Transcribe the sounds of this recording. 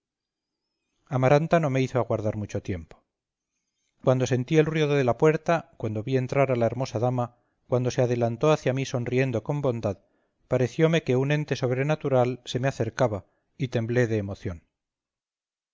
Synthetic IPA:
amaɾant̪ano̞me̞iθoaɣwaɾðaɾmut͡ʃo̞t̪je̞mpo | kwand̪o̞se̞nt̪ie̞lrwioðoðe̞lapwe̞ɾt̪akwand̪o̞βie̞nt̪ɾaɾalae̞ɾmo̞saðama | kwand̪o̞se̞aðe̞lant̪o̞aθjamiso̞nrie̞nd̪o̞ko̞mbo̞nd̪að | paɾe̞θjo̞me̞ke̞unẽ̞nt̪e̞so̞βɾe̞nat̪uɾalse̞meaθe̞ɾkaβa | it̪e̞mble̞ðe̞ːmo̞θjo̞n

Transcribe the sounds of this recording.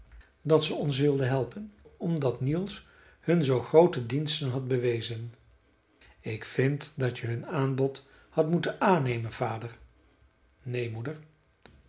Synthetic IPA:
dɑtsəɔns̬ʋɪlˠdəɦɛlˠpənɔmdɑtnilˠs | hɵnzowχrowtədinstənɦɑt̚bəʋejzən | ɪkfɪntdɑtəɦɵnaːnbɔt | hɑtmutənaːnejmənv̥aːdəɹ | nejmudəɹ

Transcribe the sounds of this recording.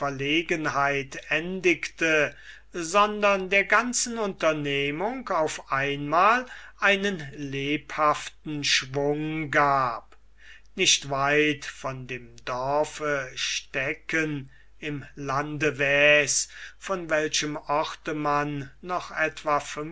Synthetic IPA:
fɛɐleːɡənɦaɪtɛndɪktʰə | zɔndɐndeːɐɡant͡sn̩ʊntɐneːmʊŋkaʊfʔaɪnmaːlʔaɪnənleːphaftn̩ʃvʊŋɡaːp | nɪʃtvaɪtfɔndeːmdɔɐɐfəʃtɛkən | ɪmlandəvɛːsfɔnvɛlʃəmɔχtəmanːɔχʔɛtv̥afœ

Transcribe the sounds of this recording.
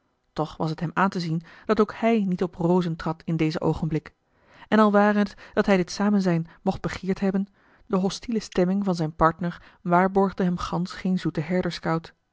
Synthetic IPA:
tɔχʋɑ̰sətɦɛmaːntəzind̥ɑtowkhɛjnitɔprowzəntrɑtʰɪndejzəʔo̰wχənblɪk | ɛnɑlˠʋaːrəɦətd̥ɑtɦɛjdɪtsaːmənzɛjnmɔχd̚b̥əχɪːɹtɦɛbən | dəɦɔstiləstɛmɪŋvɑnzɛjnpɑɹtnəɹ | ʋaːɹbɔɹχdəɦɛmχɑnsχejnzutəɦɛɹdəɹskɑwt

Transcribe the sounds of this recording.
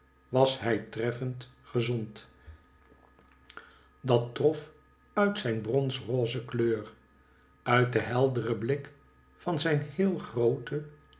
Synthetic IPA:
ʋɑsɦɛjtrɛfəntχəzɔnt | dɑtrɔf | œɥtsɛjnbrɔnsroːzəkløːɹ | œɥt̚dəɦɛlˠdərəblɪk | fɑnzɛjnhɪːlˠχrowtə

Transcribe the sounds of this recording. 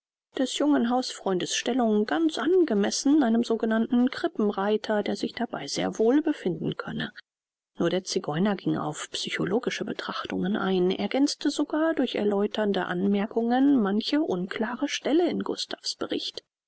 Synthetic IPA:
d̥ɛsjʊŋənɦaʊsfʁ̥ɔʏndəsʃtɛlʊŋɡant͡sʔanɡəmɛsn̩aɪnəmzoːɡənantn̩ɡʁ̥ɪpm̩ʁaɪtʰɐdeːɐzɪçd̥aba̰ɪz̥ḛːɐvoːlbəfɪndn̩kʰœ̰nə | nuːɐɾeːɐt͡siɡɔʏnɐɡɪŋa̰ʊfpsyçoloːɡɪʃəbətʁ̥aχtʊ̰ŋənʔa̰ɪnʔḛɐɡɛnt͡stəzoɡaːɐdʊɐçɛ̰ɐlɔʏtʰɐndəʔanmɛɐkʊŋənmançəʔʊnkʰl̥aːʁəʃtɛləɪnɡʊ̰stʰafsb̥əʁɪ̰çt

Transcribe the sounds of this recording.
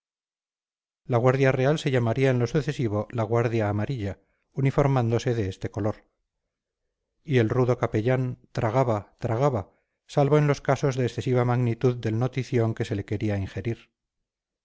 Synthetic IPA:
laɣwaɾðjare̞alse̞ʎamaɾiaenlo̞suθe̞siβo̞laɣwaɾðjaːmaɾiʎa | unifo̞ɾmãnd̪o̞se̞ðe̞est̪e̞ko̞lo̞ɾ | ielruðo̞kape̞ʎant̪ɾʔaɣaβat̪ɾaɣaβa | salβo̞e̞nlo̞skaso̞zðe̞ːsθe̞siβ̞amaɣnit̪uðːe̞lno̞t̪iθjo̞ŋke̞se̞le̞ke̞ɾiaiŋxe̞ɾiɾ

